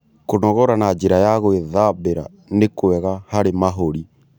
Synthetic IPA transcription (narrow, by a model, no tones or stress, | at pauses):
konɔɣɔɾanad͡ʒeɾajaɣoeðabeɾa̰ | nekwɛɣahaɾemaɦoɾi